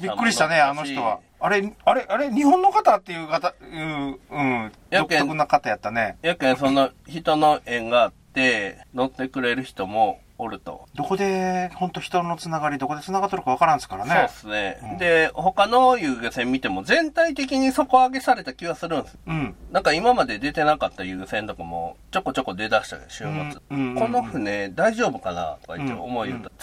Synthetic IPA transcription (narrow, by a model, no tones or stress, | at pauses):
bʲikːɯɾiɕit̪ane̞ano̞çit̪o̞β̰ː | ɾe̞aɾe̞ʔaɾeɲ̟ihõ̞nːo̞kat̪at̪ːe̞jɯ̟ːkat̪ajɯɯ̟̃ | jaokẽokɯnakat̪ajat̪ːane̞jakẽsonoçit̪o̞no̞ʔẽ̞ŋɡaːt̪ːe̞no̞t̪ːe̞kɯ̟ɾe̞ɾɯ̟çi̥t̪o̞mo̞ː | ɾɯ̟t̪o̞̰d̪o̞ko̞d̪e̞hõ̞nt̪oçi̥t̪o̞no̞t͡sɨnaɡaɾʲid̪o̞kod̪et͡sɨnaɡat̪ːoɾɯkaβakaɾãñsɨ̥kaɾanseo̞ːsɨne̞d̪e̞ho̞kano̞jɯ̟ːɡɯsẽ̞mʲːit̪e̞mo̞zẽ̞nt̪ait̪e̞kʲiɲ̟iso̞ko̞aɡe̞saɾe̞t̪akʲiβasɨɾɯ̟̃ñsɨ̃nãŋkaimamad̪e̞d̪e̞t̪e̞nakat̪ːajɯ̟ːɡɯsẽ̞nt̪o̞kamo̞̰t͡ɕo̞kːo̞t͡ɕo̞kːo̞d̪e̞d̪aɕi̥t̪a̰ɕɨ̰ːmat͡sɨko̞no̞ɸɯ̟ned̪aiʑo̞ːbɯ̟kana̰t̪o̞ka̰it̪ːḛo̰mo̞io̰t̪ːa